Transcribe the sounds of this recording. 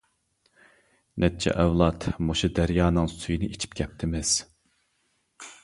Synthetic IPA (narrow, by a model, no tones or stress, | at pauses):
nʔɛt͡ʃʰɛ̰ʔɛwlˠɑt̪moʃud̪æɾjɑːnɨŋsujinɨʔit͡ʃʰi̥pɡʲʰɛp̚t̪ʰɪmɪz̥